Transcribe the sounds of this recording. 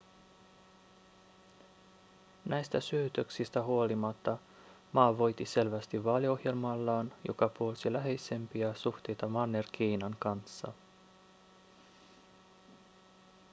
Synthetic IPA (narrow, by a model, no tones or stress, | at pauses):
næjst̪æsyøt̪øksist̪æɦuo̞limɑt̪ːɑ | mɑːʋo̞jt̪ise̞lʋæst̪iʋːɑːlio̞hje̞lmɑlːɑːnjo̞̰kɑpuo̞lsilæɦe̞jse̞mpiɑsuxt̪e̞jt̪ɑmɑnːerk̟ʰiːnɑŋkɑnsːɑ̰